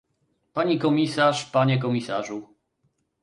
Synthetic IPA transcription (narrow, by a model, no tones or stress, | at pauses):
paɲikɔmʲisaʂpaɲɛk̬ɔmʲisaʐu